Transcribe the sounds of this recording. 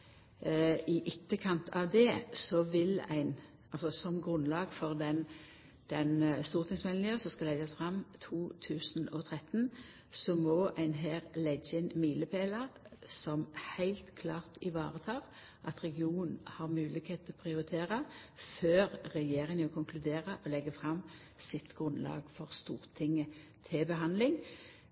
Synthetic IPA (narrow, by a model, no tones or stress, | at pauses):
ɪʔɪt̪ːəkʰɑnt̪ʰɑʋd̪ɛsɔʋɪlæ̰ɪn | ʔɑlsɔsɔmɡʁʉnlɑːɡfɔʁd̪ɛn | d̪̥ɛnst̪uːʁt̪ʰɪŋsmɛln̩jøːsɔskɑlɛɡəsfʁɑmt̪ʰuːt̪ʰʉːsnɔt̪ʰʁɛt̪n | sɔmɔʔæɪnɦeːʁlɛɡːəɛnmiːləpʰeːləʁsɔmhæɪlt̪kʰlɑːʁt̪ɪʋɑ̰ːʁət̪ʰɑːʁ | ʔɑt̪ʁɛɡɪuːnn̩hɑʁmʉːlɪɡheːt̪ʰɔpʰʁɪʊʁɪt̪ʰeːʁəføːʁːɛjeːʁɪŋɔkʰʊŋkʰlʉd̪eːʁəʔɔlɛɡəfʁɑm | sɪt̪ɡ̥ʁʉnlɑ̰ːɡfɔʁst̪uːʁt̪ʰɪŋːət̪ʰɪbəɦɑnd̪lɪŋ